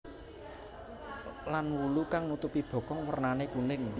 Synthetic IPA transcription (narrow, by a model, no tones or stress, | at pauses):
lanwulukaŋnut̪upib̥ɔ̤kɔŋwərnanekunɪŋ